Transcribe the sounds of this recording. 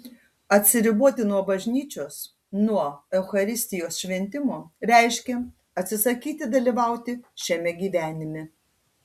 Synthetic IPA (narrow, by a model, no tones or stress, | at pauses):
ɐt̪ʲsʲɪɾʲɪbuɔt̪ʲɪnuɔbɐʒʲnʲiːt͡ʃʲoːs | nuɔɛʊxɐɾʲɪsʲt̪ʲɪjoːsʃʲʋʲɛnʲt̪ʲɪmoːɾʲæˑɪʃʲkʲɛ | ɐt̪ʲsʲɪsɐkʲiːt̪ʲɪd̪ɐlʲiʋɑˑʊt̪ʲɪʃʲɛmʲɛɡʲiːʋʲæːnʲɪmʲɪ